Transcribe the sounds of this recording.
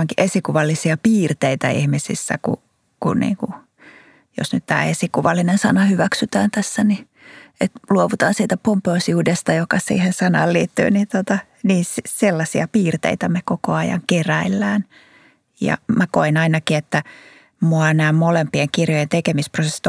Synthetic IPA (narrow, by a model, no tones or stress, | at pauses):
ɑŋkiʔesikuʋɑlːisiɑpiːrt̪eit̪æḭhmisḭsːæ̰kṵ | kṵnnḭːŋku | jo̰snyt̪t̪æ̰ːesikuʋɑlːinensɑ̰nɑhyʋæksyt̪æːnt̪æsːæni | et̪luoʋut̪ɑːnsiːt̪æpompeousiuːdest̪ɑjokɑsḭːhensɑnɑːlliːt̪ːy̰ːnint̪ot̪ɑ | niːsiselːɑsiɑpiːrt̪ḛit̪æmekokoɑjɑ̰ŋkeræilːæːn | jɑ̰mækoinɑinɑkiet̪ːæ | muɑnæːmmolempieŋkirjojent̪ekemisprosesːit̪